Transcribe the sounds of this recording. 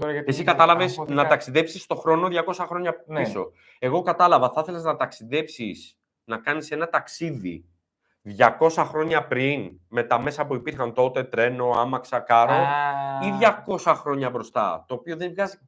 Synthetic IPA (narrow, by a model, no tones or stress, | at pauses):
es̬ikɐt̪ɐlɐvesnɐt̪ɐksiðe̞psist̪o̞xɾo̞no̞ðʝɐko̞sɐxɾo̞ɲɐiso̞ | e̞ɣo̞kɐt̪ɐlɐvɐθɐθe̞leznɐt̪ɐksiðe̞psis | nɐkɐnise̞nɐt̪ɐksiðḭ | ðʝɐko̞sɐxɾo̞ɲɐpɾinme̞t̪ɐme̞sɐpuipiɾxɐnt̪o̞t̪e̞t̪ɾe̞no̞ɐmɐksɐkɐɾo̞iðʝɐko̞sɐxɾo̞ɲɐbɾo̞st̪ɐ̰t̪o̞ːpioðe̞nvɣɐzi